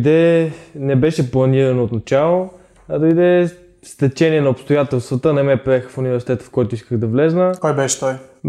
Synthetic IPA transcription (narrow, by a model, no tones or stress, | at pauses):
d̪ɛnɛbɛʃɛplˠɐniɾɐnoːt̪nɐt͡ʃalˠo | ɐd̪ɐid̪ɛ | st̪ɛt͡ʃɛniɛnɐopst̪ojat̪ɛlˠst̪vət̪ənɐmɛpɾiɛxfunivɛɾsi̥t̪ɛt̪ə̥fkɔjt̪ʊiskəɣd̪ɐvlɛznəkɔjbɛʃɛ̥t̪ɔj